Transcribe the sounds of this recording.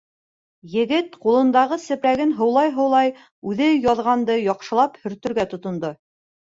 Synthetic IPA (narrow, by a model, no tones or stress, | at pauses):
jɘ̆ɡɘt̪qulˠɤ̆nd̪ɑʁɤsɘ̆pɾæɡɘnɦɤ̆wlˠɑjɦɤ̆wlˠɑj | ʉðɘjɑðʁɑnd̪ɤjɒqʃɤ̆lˠɑphɵ̆ɾt̪ɵ̆ɾɡæt̪ŏt̪ŏnd̪o